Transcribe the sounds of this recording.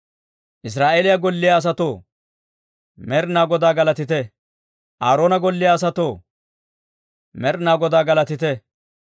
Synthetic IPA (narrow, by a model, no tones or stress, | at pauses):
ʔɪs̬ɾaːʔeːlɪjaɡɔlːɪjaːs̬ɐt̪oː | mɛɾnaːɡɔd̪aːɡɐlɐt̪ɪt̪ɛ | ʔaːɾoːnɐɡɔlːɪjaːs̬ɐt̪oː | mɛɾnaːɡɔd̪aːɡɐlɐt̪ɪt̪ɛ